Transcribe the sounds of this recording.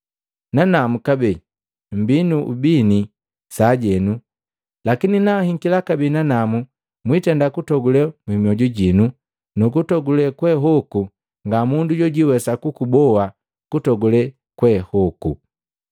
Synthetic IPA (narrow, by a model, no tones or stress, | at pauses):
nanamukabɛ | m̩binuʔubini | saɟɛnu | lakininahiŋkilakabɛnanamu | mwitɛndakutɔɡulɛmwimiɔɟuɟinu | nukutɔɡulɛkwɛɦɔku | ŋɡamunduɟɔɟiwɛsakukubɔwa | kutɔɡulɛ | kwɛhɔku